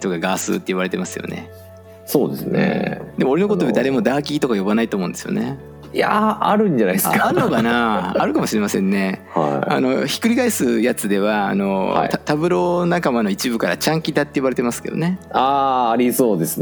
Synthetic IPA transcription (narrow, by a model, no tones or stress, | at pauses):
t̪o̞kaɡaːsɨ̰ːt̪ːeɯ̟βaɾe̞t̪e̞masɨjo̰nḛ | soːd̪esɨnḛd̪e̞mo̞ɾeokot̪od̪ed̪aɾe̞mo̞d̪aːkʲiit̪o̞kajo̞banait̪omo̞ɯ̃nd̪esɨjo̰ne | jaaɾɯ̟̃ɲ̟d͡ʑanajskaaɾɯnokanaa̰ɾɯ̟kamo̞ɕiɾe̞masẽ̞nːe̞ha̰a̰no̞çi̥kɯ̟ɾʲikaisɨjat͡sɨd̪e̞βa̰ːno̞̰at̪abɯ̟ɾo̞nakamano̞it͡ɕibɯ̟kaɾa̰t͡ɕãŋkʲid̪at̪ːe̞ɯβaɾe̞t̪emasɨ̥ke̞d̪o̰ne̞aːaɾʲisoːd̪e̞sɨ